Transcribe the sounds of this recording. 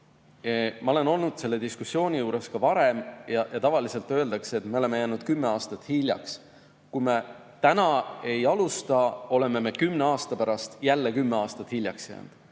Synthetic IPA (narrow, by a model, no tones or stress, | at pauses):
mɑo̞le̞no̞lnud̪̥se̞lːe̞d̪iskusːjo̞ːnʲijuːɾe̞skɑvɑɾe̞mjɑjɑt̪ɑvɑlise̞lt̪ːˑø̞e̞ld̪ɑkseet̪me̞o̞le̞me̞jæːnud̪̥̚kymːe̞ɑːst̪ɑt̪ːˑhilʲjɑ̰ks | kujme | t̪ænɑe̞jɑlust̪ɑo̞le̞me̞me̞kymne̞ɑːst̪ɑpæɾɑst̪jælːe̞kymːe̞ɑːst̪ɑt̪hilʲjɑksjæ̰ːn̰d̪̥